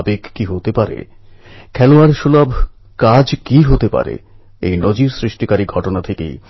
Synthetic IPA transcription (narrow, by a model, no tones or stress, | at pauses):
bekːiɦot̪epaɾḛ | kʰɛloaɾʃulabʱ | kad͡ʑkiɦot̪epa̰ɾḛ | ḛjnod͡ʑiɾsɾiʃʈikaɾiɡʱɔʈonat̪ʰekḛj